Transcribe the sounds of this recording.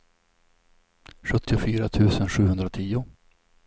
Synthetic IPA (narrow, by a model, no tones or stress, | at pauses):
ɧɵt̪ːɪʊfyːɾat̪ʰʉ̟ːsənɧʉ̟ːhɵnd̪ɾat̪ʰiːʊ